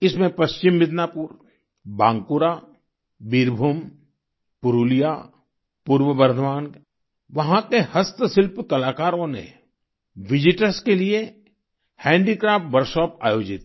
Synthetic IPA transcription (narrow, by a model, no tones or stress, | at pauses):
ɪsmẽpɐʃt͡ʃɪmːɪd̪naːpuːɾ | bãːŋɡkuɾa | bɪɾbʱuːm | pʊɾuːlija | puːɾʋəbɐɾd̪ʱəʋaːn | ʋɐɦãkehɐst̪əsɪlpkɐlaːkaːɾõnḛ | ʋɪd͡ʒɪʈəɾskelie | hɛ̃ːɳɖikɾaːfʈʋəɾʃɔːpaːjoːd͡ʒɪt̪